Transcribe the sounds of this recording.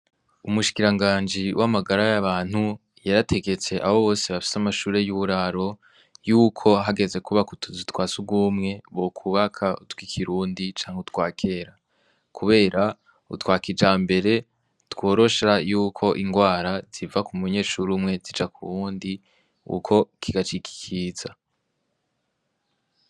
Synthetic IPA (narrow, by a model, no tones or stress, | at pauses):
umuʃi̥kiɾaŋɡaːnd͡ʒiwʔamaɡaɾajaβaːn̥hu | jaɾatʰe̞ɡe̞t͡se̞ʔaho̞βo̞ːseβafi̥samaʃuːɾe̞juβuɾaɾo̞ | juːkʰo̞ɦaɡe̞ze̞kuβakutʰuzitwaːsuɡumŋe̞βokʰuβakʰautwikʰiɾuːndit͡ʃaːŋheutwaːkʰe̞ːɾa | kʰuβe̞ːɾa | ṵtwaːkid͡ʒaːmbe̞ɾe̞ | two̞ːɾo̞ʃajuːkʰo̞ʔiŋɡwaːɾaz̥ivakumuɲe̞ːʃuɾumŋe̞zid͡ʒakuβuːndi | ṵkʰo̞kʰiɡat͡ʃikʰi̥kʰiz̥a